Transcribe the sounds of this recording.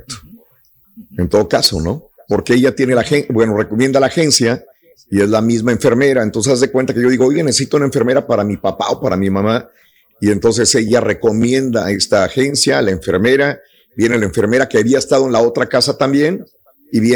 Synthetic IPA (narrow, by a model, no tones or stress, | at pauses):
k̚t̪o̥ | ent̪o̞ðo̞kaso̞̰no̞ | po̞ɾkeeʝat̪je̞nelaxenbwe̞no̞re̞komje̞nd̪alaːxe̞nsja | ie̞zlamizmae̞ɱfe̞ɾme̞ɾaent̪o̞nsesazðekwe̞nt̪akeʝo̞ðiɣoojɣenesesit̪ounaeɱfe̞ɾme̞ɾapaɾamipapa̰o̞paɾamimãma | ie̞nt̪o̞ns̬e̞se̞ʝare̞ko̞mje̞nd̪ae̞st̪aːxe̞nsjalaeɱfe̞ɾme̞ɾa | bje̞ne̞laeɱfe̞ɾme̞ɾakeaβiaest̪að̞oe̞nlao̞t̪ɾakasat̪ambje̞n | iβje